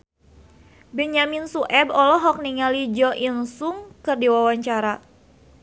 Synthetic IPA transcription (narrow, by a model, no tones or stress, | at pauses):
bɛɲaminsuʔɛbɔlɔɦɔk̚niŋalid͡ʒɔʔinsuŋkɨrdiwawaɲt͡ʃaɾa